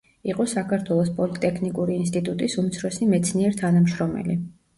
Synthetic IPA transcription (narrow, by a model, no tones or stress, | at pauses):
iqʼɔsakʰaɾt̪ʰwɛlˠɔspʼɔlit̪ʼɛkʰnikʼuɾiːnst̪ʼit̪ʼut̪ʼisumt̪sʰɾɔsimɛt̪sʰniɛɾt̪ʰanamʃɾɔmɛ̰li